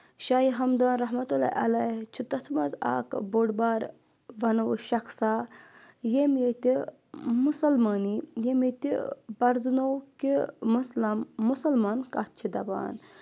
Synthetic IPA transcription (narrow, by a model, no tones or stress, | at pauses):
ʃaːjiɦɐmd̪aːnɾɐɦmɐt̪ula̰jʔɐlɐjt͡ʃʰut̪ɐt̪ʰmɐza̰ːkboːɖbaːɾ | ʋɐnuwʃɐxsaː | jemjet̪i | musɐlmaːnijemet̪ibɐɾznowkimuslɐmːusɐlmaːnkat̪̚t͡ʃʰid̪ɐba̰ːn